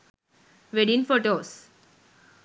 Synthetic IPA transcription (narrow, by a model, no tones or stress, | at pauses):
ʋeɖinfoʈos